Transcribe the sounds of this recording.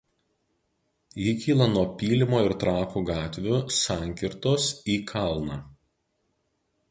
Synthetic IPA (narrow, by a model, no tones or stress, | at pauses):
jikʲiːlˠɐnuɔpʲiːlʲɪmoːɪɾt̪ɾɑːkuɡɑːt̪ʲʋʲʊsɑˑŋʲkʲɪɾt̪oːsiːkʰɑˑlˠnɑː